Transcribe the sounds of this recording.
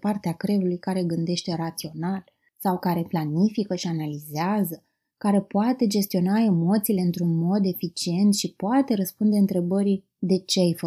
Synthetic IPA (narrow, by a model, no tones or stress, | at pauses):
part̪eakɾe̞vulujkaɾe̞ɡɨnd̪e̞ʃt̪e̞ɾat̪sio̞nal | sawkaɾe̞planifikəʃianalizeazə | kaɾe̞poat̪e̞d͡ʒe̞st̪io̞naemo̞t̪sile̞ɨnt̪ɾunmo̞d̪e̞fit͡ʃie̞nt̪ʃipoat̪e̞ɾəspund̪e̞ɨnt̪ɾe̞bəɾi | d̪e̞t͡ʃeajfə